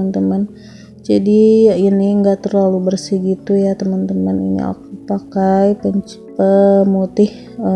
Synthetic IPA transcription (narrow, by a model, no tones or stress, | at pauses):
ənt̪əmən | d͡ʒadiinɪŋɡaʔt̪ərlalubərsɪhɡit̪ujat̪əmənt̪əmənḭnḭa̰k̚upakajpəɲ | pəmut̪ɪh | ə